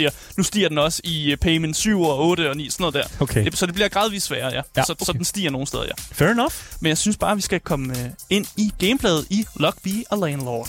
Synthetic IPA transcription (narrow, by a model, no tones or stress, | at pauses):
iːɐnusd̥ḭːɐd̥enɒ̽səipʰeɪmensyʊ̰ɒɔ̽ːɾəɒ̽nḭːsɔno̽ð̩̰ˠd̥æɐ̰ed̥e̝sɒ̽d̥e̝b̥liɐɡ̥ʁɑ̈ːð̞ˠʋiðˠsʋæːɐjæsɒ̽dsɒ̽d̥ensd̥ḭːɐno̝ːn̩seðˠɐjæfeenɒfmenjɑɪsynsb̥ɑ̈ːʋisɡ̥ækʰɒ̽məe̝n̰iɡ̥eɪmpʰlɛːð̩ˠilɒ̽ɡ̥̚b̥iɒ̽lɛɪnlɒːd̥